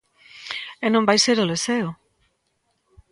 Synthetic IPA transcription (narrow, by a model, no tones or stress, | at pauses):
enõmbajseɾoleseo